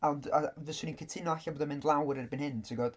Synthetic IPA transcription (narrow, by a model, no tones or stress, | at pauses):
andavəsuninkʰətʰɪnɔaɬaboːdamɪndlˠawɾɛrbɪnhɪntʰiɡɔd̥